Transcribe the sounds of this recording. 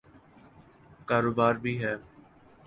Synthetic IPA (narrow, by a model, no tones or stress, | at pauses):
kaːɾoːbaːɾbʱiːɦɛː